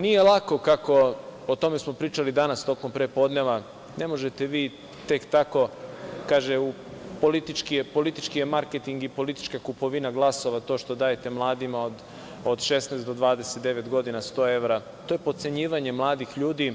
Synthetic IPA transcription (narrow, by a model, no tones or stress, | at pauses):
nijelˠako̞kako̞ot̪o̞me̞smo̞pɾiːt͡ʃalid̪anast̪o̞ko̞mpɾepo̞d̪neʋa | ne̞mo̞ʒet̪eʋiː | t̪e̞kt̪ako̞kaːʒeu | po̞lit̪it͡ʃkijepo̞lit̪it͡ʃkijemaɾket̪iŋɡipo̞lit̪i̥t͡ʃkakupo̞ʋinaɡlˠaso̞ʋat̪oʃt̪o̞d̪aːjet̪e̞mlˠaːd̪imaod̪ | od̪ʃe̞snaːst̪d̪o̞d̪ʋaːd̪eset̪̚d̪e̞ʋet̪ɡo̞d̪inast̪o̞ːe̞ʋɾa | t̪o̞ːjepot̪se̞ɲiːʋaɲe̞mlˠaːd̪ixʎuːd̪i